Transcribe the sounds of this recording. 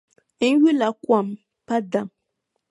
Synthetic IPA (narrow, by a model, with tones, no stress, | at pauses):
n̩˦ɥu˦la˨kwa˨m | pa˦da˨m